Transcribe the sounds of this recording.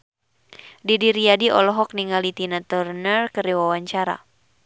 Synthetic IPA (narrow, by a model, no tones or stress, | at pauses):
didiɾiadiɔlɔɦɔk̚niŋalit̪inat̪ərnərkəɾiwawaɲt͡ʃaɾa̰